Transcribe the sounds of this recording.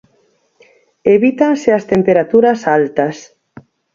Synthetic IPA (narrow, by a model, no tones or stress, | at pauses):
eβit̪anseɐst̪empeɾat̪uɾɐsalt̪ɐs